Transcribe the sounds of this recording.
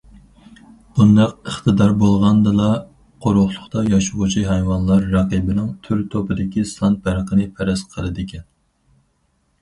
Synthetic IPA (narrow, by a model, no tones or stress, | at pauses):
b̥und̪ɑq̚əχt̪ʰɨd̪ɑɾbolˠʁɑnd̪ɨlˠɑ | qʰoɾʊχlˠʊχt̪ɑjɑʃuʁut͡ʃʰiɦɛjwɑnlˠɑɾːɑqibɪnɪŋt̪ʰyɾt̪ʰopɨd̪ɪkʲisɑnt̪̚bæɾqənɨpʰɛɾɛsqʰəlˠɨd̪ɪkʲʰɛn